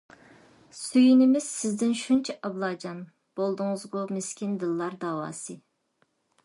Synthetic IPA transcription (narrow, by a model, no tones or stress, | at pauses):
syjinɪmɪz̥sɪzd̪ɪnʃunt͡ʃʰɛʔɑblˠɑːd͡ʒɑn | b̥olˠd̪ʊŋɨzɡomeskʲind̪ɨlˠːɑɾd̪ɑːwɑ̰ːsɨ